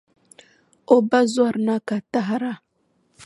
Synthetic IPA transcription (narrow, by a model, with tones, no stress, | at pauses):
o˦ba˦zwa˦˨ɾna˦ka˨ta˦ɦa˦ɾa˦˨